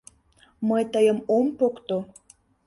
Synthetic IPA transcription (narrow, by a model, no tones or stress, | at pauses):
məjt̪əjəmompokt̪o